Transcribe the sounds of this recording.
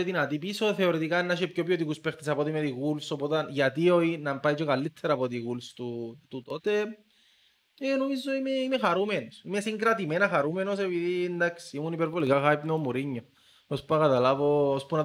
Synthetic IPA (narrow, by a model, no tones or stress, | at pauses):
eðinat̪ipisoθeoɾit̪ikanːaʃepçopjot̪ikuspext̪isapot̪imeðiɣulsopot̪anʝat̪ioinampajt͡ʃokalːit̪ʰːeɾaːpot̪̬iɣulst̪ut̪ut̪ot̪e | enuizːoimeimexaɾumenosimesiŋɡɾat̪̬imenaxaɾumenos̬epiðind̪aksiimunipeɾvolikaxaipnomuɾiɲːo | ospuakat̪alavoospuna